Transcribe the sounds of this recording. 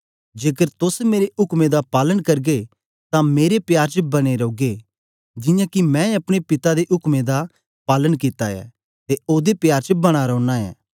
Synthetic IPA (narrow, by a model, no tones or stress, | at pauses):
d͡ʒeːkəɾt̪ʊsmeːɾeʔʊkmed̪apaːlənkɐɾɡe | t̪ãmeːɾepjaːɾt͡ʃəbɐɽ̃eɾoːɡe | d͡ʒɪ̃jãkimɛ̃ɐpɽ̃epɪt̪ad̪eʔʊkmed̪a | paːlənkɪt̪aɛ̰ː | t̪eoːd̪epjaːɾt͡ʃəbɐɽ̃aɾɐːnãɛ̰ː